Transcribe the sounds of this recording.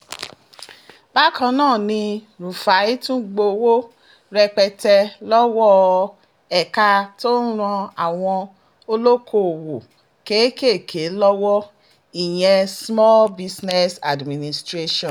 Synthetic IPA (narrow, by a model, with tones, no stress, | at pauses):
b̥a˦kʰã˧nãː˦˨nĩ˧ | ɾu˨fa˨˦i˦tũ˦ɡ͡bo˧wo˦ | ɾɛ˧k͡pɛ˧tɛ˧lɔ˦wɔ˦ | ɛ˨ka˧to˦n̩˦ɾ̃ɔ̃˧a˨w̃ɔ̃˧ | o˧lo˦kʰo˦˨wo˨ | ke˨˦ke˦˨kʰe˨˦lɔ˦wɔ˦ | i˨j̃ɛ̃˧smɔ˦lbi˦˧snɛ˦sa˨dmĩ˨nĩ˨stɾe˦ʃɔ̃˨